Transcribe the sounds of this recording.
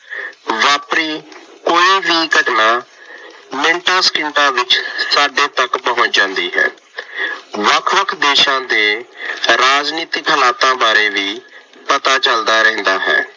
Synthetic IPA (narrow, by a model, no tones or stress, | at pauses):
ʋaːpɾiː | koːiːʋiːkəɖnaː | mɪ̃ɳʈãːskɪɳʈãːʋɪt͡ʃsaːɖeːt̪əkpəɦʊ̃t͡ʃd͡ʒãːnd̪iːɦɛ̰ː | ʋəkʰʋəkʰd̪eːʃãːd̪eːɾaːd͡ʒniːt̪ɪkpʰəlaːt̪ãːbaːɾeːʋiː | pət̪aːt͡ʃəld̪aːɾɛ̃ɦnd̪aːɦɛ̰ː